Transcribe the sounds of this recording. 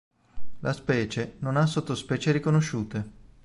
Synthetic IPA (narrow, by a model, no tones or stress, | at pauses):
lʔaspɛːt͡ʃenonas̬ːot̪ːospɛːt͡ʃeɾikonoʃːuːt̪e